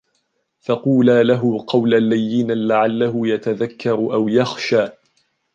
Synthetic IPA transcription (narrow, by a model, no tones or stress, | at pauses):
fɑquːlaːlaɦʊqɑwlalːajːɪnalaʕalːaɦʊjat̪aðakːɑɾˤʔawjaxʃaː